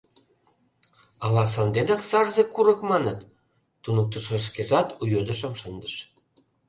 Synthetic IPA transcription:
ɑlɑs̬ɑnd̪ed̪ɑksɑrzekuɾɤ̆kmɑnət̪ː | unuk̚t̪əʃɤʃ̬keʒɑt̪ujød̪ə̆ʃə̆mʃənd̪əʃ

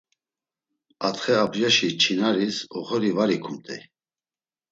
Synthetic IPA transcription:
at̪χɛapʰʒaʃit͡ʃʰinaɾisɔχɔɾivaɾikʰumt̪ʼɛ̰

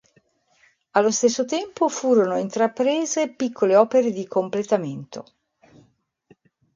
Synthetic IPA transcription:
alːost̪esːot̪ɛmpofuːɾonoint̪ɾapɾeːzepikʰːoleɔːpeɾed̪ikomplet̪ament̪o̰

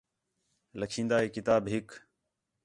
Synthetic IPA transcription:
ləkʰĩːnd̪aːɦeːkɪt̪aːbɦɪk

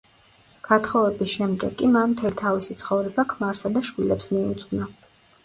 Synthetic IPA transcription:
ɡ̥at̪χɔvɛbisʃɛmd̪ɛ̰ɡʼimanmt̪ʰɛlit̪ʰavisit̪sʰχɔvɾɛbakʰmaɾsad̪aʃwilɛpsmiut̪sʼqna

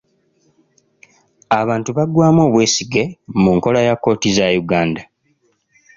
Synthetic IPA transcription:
aβaːntuβaɡwaːmo̞ːβwe̞ːsiɡe̞muŋko̞lajakːo̞ːtizajuɡaːnda

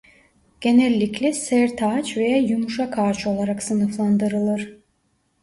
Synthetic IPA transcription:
ɟ̥e̞nɛlʲːiclʲɛsæɾt̪ʰaːt͡ʃve̞jajumuʃakʰaːɾt͡ʃʰo̞lˠaɾaksɯnɯflˠand̪ɯɾɯlˠɯɾ̥

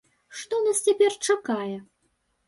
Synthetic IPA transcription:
ʂt̪ɔnast͡sʲapʲɛrt͡ʂakajɛ

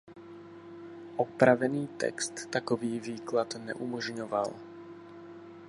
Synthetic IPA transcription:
ʔɔpɾavɛniːt̪ɛ̰kst̪ːakoviːviːklat̪nɛ̰ʔumɔʒɲova̰l

